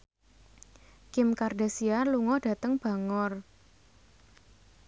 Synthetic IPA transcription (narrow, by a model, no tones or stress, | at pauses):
kɪmkarda̤sialuŋɔɖ̥a̤t̪əŋb̥a̤ŋɔr